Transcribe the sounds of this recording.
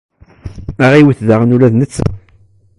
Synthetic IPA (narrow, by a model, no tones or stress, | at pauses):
æʁiwəθðaʁənulæðnət͡sːə